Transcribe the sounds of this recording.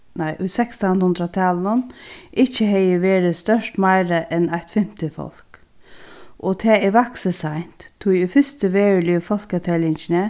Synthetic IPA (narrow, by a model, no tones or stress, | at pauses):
naɪʔʊjsɛkst̪anhʊnd̪ɾat̪ʰaːlnʊnʔɪht͡ʃːəɦɛjəʋeːɾɪst̪œʂt̪maɪɾəʔɛnaht̪fɪm̥t̪ɪfɔ̰l̥k | ʔɔt̪ʰɛːɛʋaksəsajn̥t̪t̪ʰːʊjʊfɪst̪əʋeːɹlʏfɔl̥kat̪ʰɛlɪɲt͡ʃɪnə